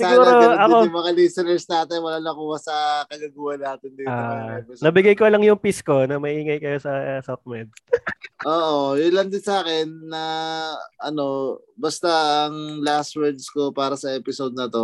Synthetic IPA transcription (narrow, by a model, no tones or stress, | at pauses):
saɡuːɾoɐkomɐŋalisɛnɛɹsnaːt̪ɪjwɐlaːnɐkuːhɐsɐkɐɡɐɡuːhɐnaːt̪ɪnd̪iːtaɛpɪsnɐbɪɡɐjkolɐŋjʊŋpisko̞nɐmɐiːŋɐjkɐjo̞sɐsok̚mɛd̪̚sʔoːʔojʊlɐnd̪ɪnsaːkɛnːɐ | ʔɐno̞ | bɐst̪aɐŋlast̪wɛɹd̪skopaːɾɐsɐɛːpɪsod̪̚nɐt̪o̞